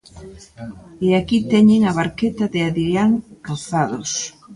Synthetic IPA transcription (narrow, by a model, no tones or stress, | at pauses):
eakit̪ɛɲeŋaβaɾket̪ɐðɪaðɾiaŋkawθaðos